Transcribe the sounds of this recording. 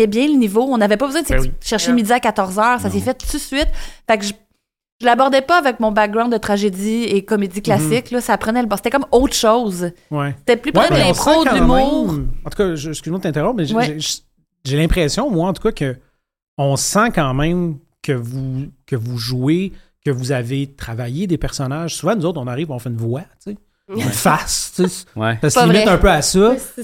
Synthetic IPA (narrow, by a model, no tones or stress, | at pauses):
jɛbjɛ̃lənivoɔ̃navɛpʌbəzwɛ̃d̪əʃɛʁʃemed̪jakat̪ɔʁzœːʁsasefɛt̪t̪usɥɪt̪fakʒə | ʒ̥əlabɔʁd̪ɛpʌavɛk̚mɔ̃bak̚ɡʁãd̪ət̪χaʒed̪iekɔmed̪d͡ziklasɪklʌsaːpχənɛlbɔse̥t̪ɛkɔmɔt̪χʃɔʊzwɛse̥t̪ɛplypɛ̃lɛ̃pχodlymuːʁɑ̃t̪u̥kʌʒəsknot̪ɛ̃t̪eʁɔ̃p̚mɛʒwɛʒ | ʒelɛ̃pχɛːsjɔ̃mwaɑ̃t̪u̥kʌkə | ɔ̃sãkɑ̃ːmɛ̃m | kʲʰəvukʲəvuʒuekʲəvuzavet̪χavajed̪epɛʁsɔnaʒ̥suvãnuzot̪χɔ̃naʁiːvpɔ̃fɛɨnvwat͡se | nfast͡seswɛsasimɛœ̃pøasʌ